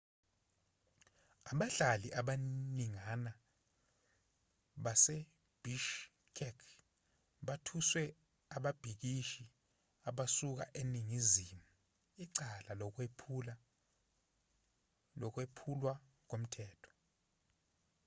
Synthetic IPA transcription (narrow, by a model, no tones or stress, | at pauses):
aɓaɬaliʔaɓaniŋana | ɓase | b̥iʃ | kʰɛkʰ | ɓatʰuswɛ | aɓab̥ʱik̬iʃi | aɓasuk̬a̰ʔeniŋizimu | iǀalalɔk̬epʰl | ɔk̬wepʰulwa | k̬om̩tʰɛːtʰɔ̥